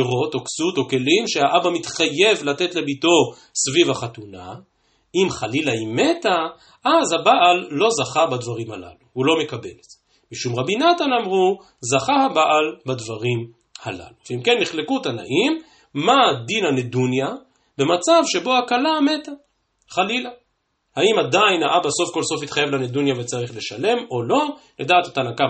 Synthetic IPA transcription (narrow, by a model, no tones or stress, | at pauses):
ʁo̞toksuto̞ke̞limʃehaʔabamit̪χaje̞vlate̞tle̞bito̞ | svivaχat̪una̰ | imχalilaime̞ta | ʔazhabaʔalːo̞zaχabad̪vaʁimhala̰luulo̞me̞kabe̞lez̥e | miʃumʁabinatanamʁu | zaχahabaʔalbadvaʁim | hala̰luveimke̞nːiχlekutana̰ʔimː | ad̪inanedunja | be̞mat͡savʃe̞bo̞hakalame̞t̪a | χalila | haimadainaʔabaso̞fko̞lso̞fit̪χajevlaned̪unjavet͡saʁiχle̞ʃale̞mo̞lo̞ladaːt̪at̪anaka